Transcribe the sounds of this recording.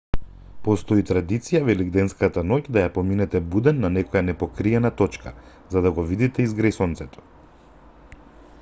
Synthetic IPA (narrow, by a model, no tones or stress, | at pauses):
pɔst̪ɔit̪ɾad̪it̪sijavɛliɡd̪ɛnskat̪anocd̪ajapɔminɛt̪ɛbud̪ɛnːanɛkɔjanɛpɔkɾiɛnat̪ɔt͡ʃkʰa | zad̪aɡɔvid̪it̪ɛizɡɾɛjsɔnt̪sɛt̪ɔ̥